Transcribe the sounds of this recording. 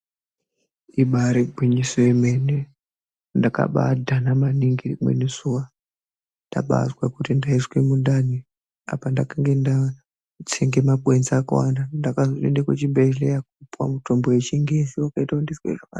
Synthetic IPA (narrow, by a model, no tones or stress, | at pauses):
iɓaɾeɡʱwiɲisoemene | ndaka̰ɓa̰dʱanamaniŋɡirimwḛnesuwa | nda̰ɓa̰zwakutindaiswemunɗani | a̰pandakaŋɡenda | t͡sʰeŋɡe̞maɓwenzaːka̰wa̰ndandakazoendekwet͡ʃimbelejak̚upwa̰mutʰo̞mbojet͡ʃiŋɡeziwakaitaundiswḛʐaka̰n